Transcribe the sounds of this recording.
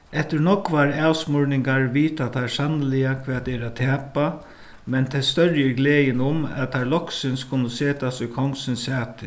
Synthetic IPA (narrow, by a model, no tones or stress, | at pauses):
ɛt̪ɪɾnɔkʋaɾaːwsmʊɹnɪŋɡaɹʋiːt̪at̪ʰasanəlɪakʰʋɛːt̪ɛːɾat̪ʰæːpa | mɛnt̪ʰɛst̪œɾjəɡleːjɪnʊmæ̰tt̪ʰaɾlɔksɪnskʰʊnːʊseːt̪asʊjkʰɔŋsɪnsaːt̪ɪ